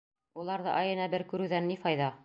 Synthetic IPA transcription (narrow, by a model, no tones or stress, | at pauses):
ulˠɑɾðɤ̰ʔɑjɤ̆næbɘɾkʉɾʉðænːifɑjðɑ